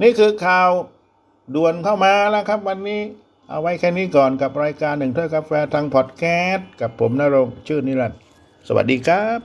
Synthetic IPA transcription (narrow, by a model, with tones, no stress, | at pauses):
niː˥˩kʰɯː˧kʰaː˨˩w | du˨˩ənkʰa˥˩wmaː˧la˧˥˩kʰɾa˦˥˩p̚wa˧nːiː˦˥˩ | ʔa̰˧wa˦˥jkʰɛː˥˩niː˦˥˩kɔː˨˩nka˨˩p̚ɾaː˧jkaː˧nːɯ˨˩ŋt̪ʰu˥˩˨jkʰa˦˥p̚fɛː˧t̪ʰaː˧ŋpʰɔ˨˩t̪̚kʰɛː˦˥t̪̚ka˨˩pʰːo˩˦mnaː˦˥˩ɾo˧ŋt͡ɕʰɯː˥˩niː˥˩la˧˩t̚ | sa˧wa̰˨˩t̚diː˧kʰɾaː˦˥p̚